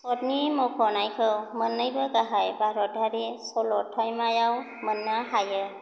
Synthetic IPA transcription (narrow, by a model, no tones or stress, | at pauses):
sɔt̚nimɔkʰɔnajkʰɯwmənːɯjbɯkaɦajbaɾɔt̚aɾisɔlɔtʰːɔjmajaw | mənːahajɯ